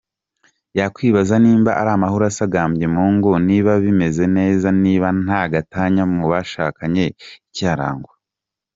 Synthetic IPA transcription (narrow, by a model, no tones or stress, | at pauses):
jakwiːβazaniːmbaʔaɾaːmaɦuɾasaɡaːmbjemuːŋɡoniːβaβime̞ze̞ne̞ːzaniːβan̥aɡataːɲamuβaʃaːkaɲe̞icaːɾa̰ːŋɡwa